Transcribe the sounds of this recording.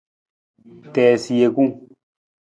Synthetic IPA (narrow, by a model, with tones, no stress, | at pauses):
tɛː˨si˨je˧kũ˦